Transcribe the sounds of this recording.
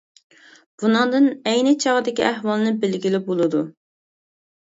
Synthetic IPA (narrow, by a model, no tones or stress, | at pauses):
b̥unɨŋd̪ɨnɛjnɪt͡ʃʰɑʁəd̪ɪkʲiæhwɑlˠnɨbɪlɡʲilɪp̚bolˠɨd̪u